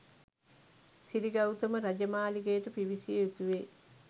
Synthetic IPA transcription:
siɾiɡɐwt̪əməɾad͡ʒəmaːliɡejʈəpiʋisijeut̪uʋeː

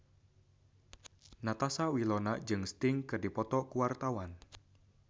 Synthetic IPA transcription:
nat̪asawilɔnad͡ʒɨŋst̪ɪŋkɨrdipɔt̪ɔkuwart̪awan

